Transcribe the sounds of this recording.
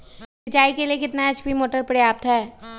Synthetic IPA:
sɪt͡ʃaːikeliekɪt̪naɐd͡ʒbʱimoːʈəɾpɐɽjaːp̚t̪ɦɛː

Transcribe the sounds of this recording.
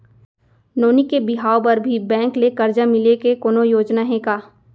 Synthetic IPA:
noːnikebɪɦaːopɐɾbʱibɛ̃ːŋklekɐɾd͡ʒamɪlekekoːnojoːd͡ʒnaɦẽkaː

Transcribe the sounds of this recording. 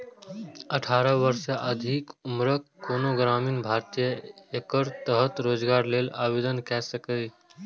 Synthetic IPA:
əʈʰaːɾəʋəɾʃaʔəd̪ʱikʊmɾəkːoːnoɡɾaːmiːnbʱaːɾt̪ijəekəɾt̪əɦət̪ɾoːd͡ʒɡaːɾleːlaːʋeːd̪ənkɛsəkəi

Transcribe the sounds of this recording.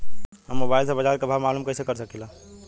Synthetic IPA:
ɦəmːobailsəbəd͡ʒaɾkebʱamalumkəjsekəɾsəkilã

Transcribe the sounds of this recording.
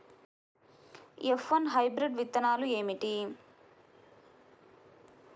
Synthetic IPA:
efʋɐnɦɐjbɾiɖʋit̪ːɐnaːlue̞ːmiʈi

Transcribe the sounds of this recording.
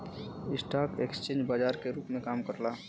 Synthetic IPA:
ɪsʈaːkekst͡ʃẽːɲd͡ʒbaːd͡ʒaːɾkeɾuːpmẽkaːmkəɾla

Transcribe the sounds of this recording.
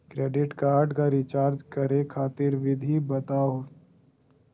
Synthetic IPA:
kɾeːɖɪʈkaːɾɖkaɾɪt͡ʃaːɾd͡ʒkɐɾekʰaːt̪ɪɾʋɪd̪ʱibɐt̪aɦo

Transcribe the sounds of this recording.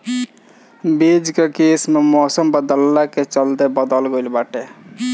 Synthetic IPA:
beːd͡ʒkekeːsmemɔːsəmbəd̪əlːaket͡ʃəld̪ebəd̪əlɡojlbaːʈe

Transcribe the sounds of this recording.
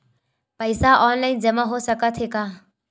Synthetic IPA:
pəjsaʔɔːnlaɪnd͡ʒɐmaɦosəkət̪ʰɦeka

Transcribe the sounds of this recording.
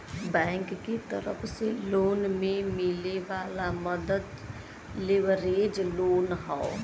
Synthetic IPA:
bɛ̃ːŋkːet̪əɾəpʰseloːnmẽmɪleʋaːlaməd̪əd̪ | lɪʋəɾeːd͡ʒloːnɦao

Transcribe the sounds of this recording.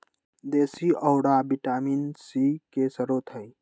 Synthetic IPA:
d̪eːsiʔəʊɽabiʈaːmiːnsikesəɾoːt̪ʰɦəj

